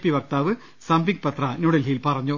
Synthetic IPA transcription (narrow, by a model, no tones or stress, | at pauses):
pːiʋɐk̚t̪aːʋɨ | sɐmbiŋɡ̚pɐt̪rɐnuɽɐlɦilpɐrɐɲːu